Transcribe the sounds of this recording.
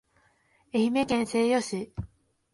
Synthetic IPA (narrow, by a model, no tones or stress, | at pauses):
e̞çime̞kẽɰ̃se̞ːjo̞ɕi